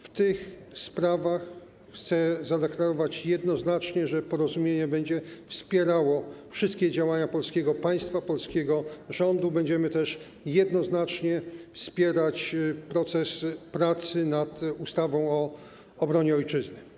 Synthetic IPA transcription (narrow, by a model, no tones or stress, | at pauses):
ft̪ɘx | spɾavaxː | t̪sɛzad̪ɛklaɾɔvat͡ɕjɛd̪nɔznat͡ʂɲɛʐɛpɔɾɔzumʲjeɲɛbɛɲd͡ʑɛfspʲjɛɾawɔfʂɨst̪kʲɛd͡ʑawaɲapɔlskʲɛɡɔpaj̃st̪fapɔlskʲeɡɔʐɔnd̪ubɛɲd͡ʑɛmɘt̪ɛʂ | jɛd̪nɔznat͡ʂɲɛfspʲjɛɾat͡ɕpɾɔt̪sɛspɾat̪sɘnat̪ust̪avɔ̃w̃ɔ | ɔbɾɔɲɛɔjt͡ʂɘznɘ